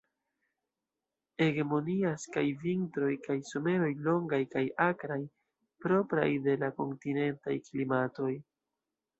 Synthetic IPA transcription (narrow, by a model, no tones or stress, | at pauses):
e̞ɡe̞mo̞niaskajvintɾo̞jkajso̞me̞ɾo̞jlo̞ŋɡajkajakɾaj | pɾo̞pɾa̰jde̞lako̞ntine̞nta̰jklimato̞j